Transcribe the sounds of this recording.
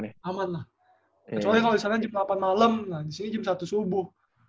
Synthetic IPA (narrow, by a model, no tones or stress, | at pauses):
amanlah | t͡ʃolajkaloisanad͡ʒəmapanmaləmlahdisinid͡ʒəmsat̪usubʊh